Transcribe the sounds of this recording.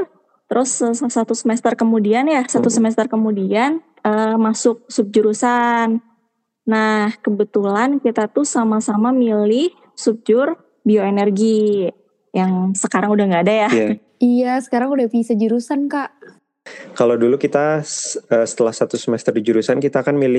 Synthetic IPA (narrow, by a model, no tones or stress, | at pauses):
t̪əɾʔʊsssat̪usəmɛst̪ərkəmudianjasat̪usəmɛst̪ərkəmudian | əmasʊk̚sʊp̚d͡ʒuɾusanː | ahkəbət̪ulankit̪at̪usamasamamilɪh | sup̚d͡ʒʊr | bioenərɡi | jaŋsəkaɾaŋudahŋɡaːdaja | ijasə̥kaɾaŋudahfisad͡ʒuɾusankaʔ | kalodulukit̪aəːsə̥t̪əlahsat̪usəmɛst̪ərdid͡ʒuɾusankit̪aːkanmilɪ